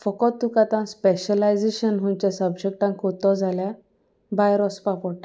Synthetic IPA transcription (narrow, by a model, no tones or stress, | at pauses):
fɔkɔt̪ːukat̪ãspeɕəlajd͡zeɕənɦũɲt͡ɕjasəbd͡ʑek̚ʈãŋkot̪ɔd͡zʱalja | bajɾɔspapɔʈa